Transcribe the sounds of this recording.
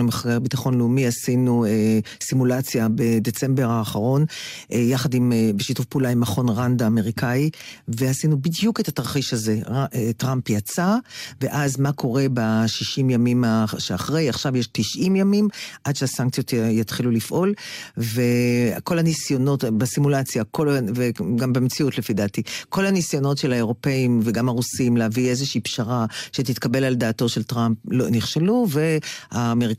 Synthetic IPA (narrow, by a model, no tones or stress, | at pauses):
emeχaɡeʁbitaχo̞nleumihasinue | simulat͡sjabedet͡se̞mbeʁaːχaʁo̞nʔjaχadimbeʃitufpulaimaχo̞nʁandaːme̞ʁikaivehasinubidjuketataʁχiʃaze̞etʁampjat͡saveʔazmakʰo̞ʁe̞baʃiʃimjamimaʃeaχʁejaχʃavjeʃtiʃʔimjamimʔadʃeasaŋk̚t͡sijo̞t̪jat̪χilulifʔo̞lve̞ko̞lhanisjono̞tbesimulat͡sjakolveɡambemet͡siutlefid̪atiko̞lhanisjo̞no̞tʃe̞laeʁo̞pe̞imveɡamhaʁusimleaviezeʃiːpʃaʁaʃet̪̬it̪kabe̞lald̪aːtoʃe̞lt̪ʁamploniχʃeluve̞haːmeʁi